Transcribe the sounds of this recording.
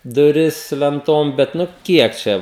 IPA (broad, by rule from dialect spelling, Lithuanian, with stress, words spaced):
dʊˈrʲɪs lʲɛnˈtoːm ˈbʲɛt ˈnʊ ˈkʲiɛk t͡ʃʲɛ